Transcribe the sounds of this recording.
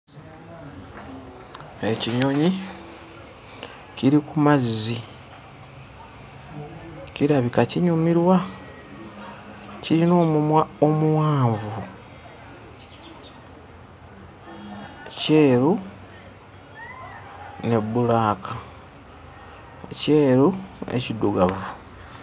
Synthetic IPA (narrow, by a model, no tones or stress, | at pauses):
e̞ciɲo̞ɲi | ciɾikumazizi | ciɾaβikaciɲomiɾwa | ciɾino̞ːomuwaːɱvu | ce̞ːɾu | ne̞bulaːkʰa | ce̞ːɾuḛciduɡavu